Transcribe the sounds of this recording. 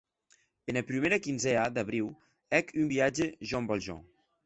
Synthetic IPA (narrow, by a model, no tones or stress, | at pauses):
enəpɾimeɾəkinzɛad̪əβɾiw | ɛkʰymbiad͡ʒeʒɔmbɔlˠʒɔ̰